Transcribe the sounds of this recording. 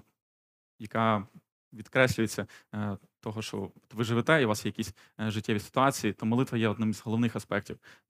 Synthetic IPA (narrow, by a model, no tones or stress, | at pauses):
jɐkɑ | ʋʲid̪kɾɛsʲlʲʉjet͡sʲːɐt̪ɔɦɔʃt͡ʃɔ̰ɔt̪ʋɪʒɪʋɪt̪ɛiʋɑsjɛjɐkʲisʲ | ʒɪtʲːɛʋʲisɪ̥t̪ʊɑt͡sʲijit̪ɔmɔlˠɪt̪ʋɐjɛɔd̪nɪmizɦɔlˠɔʋnɪxɐspɛk̚tʲiw